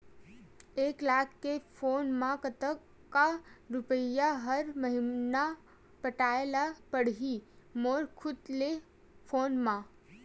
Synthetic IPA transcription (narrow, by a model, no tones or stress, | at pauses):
eːklaːkːepʰoːnmãkət̪ək | kːaɾʊpəjaɦəɾməɦɪna | pəʈaːelapəɽɦi | moːɾkʰʊd̪le | pʰoːnmã